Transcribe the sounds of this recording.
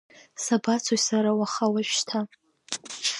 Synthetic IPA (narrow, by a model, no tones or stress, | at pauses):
sabat͡sʰojsaɾawaχawaʒᶣtʰa